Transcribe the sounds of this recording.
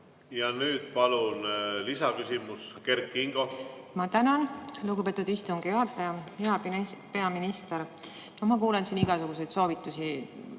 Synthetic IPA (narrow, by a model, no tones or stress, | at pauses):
jɑnyːd̪̥̚pɑlunlisɑkysʲimuske̞rkːˑiŋɡ̥o̞ | mɑt̪ænɑnluɡupe̞ːt̪ːˑud̪ist̪uŋɡ̥joɦɑt̪ːˑɑjɑheɑpe̞ɑminist̪eɾ | nomɑkuːlensiniɡ̥ɑsuɡ̥use̞jd̪̥so̞ːvit̪ːˑusi